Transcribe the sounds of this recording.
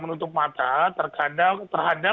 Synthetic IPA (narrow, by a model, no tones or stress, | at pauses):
mənut̪ʊp̚mat̪at̪ərkadat̪ərɦada